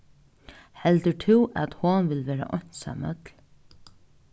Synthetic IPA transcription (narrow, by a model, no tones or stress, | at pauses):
hɛlt̪əʈʰɪwʔɛ̰t̪hʊnʋɪlʋɛːɾa̰ʔɔɲ̥t̪sa̰mœt̪l